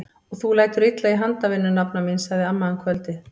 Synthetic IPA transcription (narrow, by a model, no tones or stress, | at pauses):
ɔɣθulaːjt̪ʏɾit̪laiɦant̪avɪnːʏnapnaminsaɣðɪamːaðankʰvœlt̪ɪ